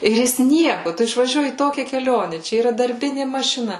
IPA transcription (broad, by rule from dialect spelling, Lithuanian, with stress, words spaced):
ɪr ˈjɪs ˈnʲiɛkʊ ˈtʊ ɪʃʋɐˈʒʲuɔjɪ iː ˈtoːkʲɛ kʲɛˈlʲoːnʲɛ ˈt͡ʃʲɛ iːˈrɐ dɐrʲˈbʲɪnʲɪ mɐʃʲɪˈnɐ